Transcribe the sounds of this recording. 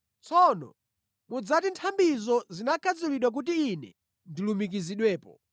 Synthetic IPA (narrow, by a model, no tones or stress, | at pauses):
t͡sʰɔnɔ̰ | mud͡zatintʰambizɔzinakʰad͡zuliɗwak̬ut̬iːnɛ̰ | ndilumik̬iziɗwɛːpɔ̰